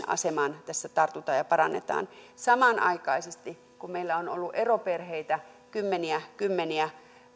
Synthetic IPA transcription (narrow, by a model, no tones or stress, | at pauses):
ɑ̰semɑnt̪æsːæt̪ɑrt̪ut̪ɑːjɑpɑɾɑnːḛt̪ɑ̰ːnsɑmɑnʔɑ̰ikɑ̰isest̪i | kummeilːæono̰lːuʔeroperheit̪æ | kymːeniækymːeniæ